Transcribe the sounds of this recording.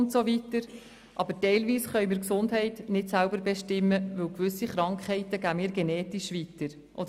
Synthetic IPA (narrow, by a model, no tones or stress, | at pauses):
ntsovitəɾ | ʔɑbətɛɪlviːsχœʏmiːɾksʊndɦɛɪtnɪtsælbəɾbɛʃtɪmːəʋɵwkʋʏsiχɾɑŋkχhɛɪtəɡæːmiːɾɡɛnɛːtiʃʋitəɾ | ʔɔd